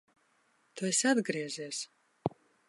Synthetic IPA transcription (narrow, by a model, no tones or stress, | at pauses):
t̪uesad̪ɡɾiɛziːs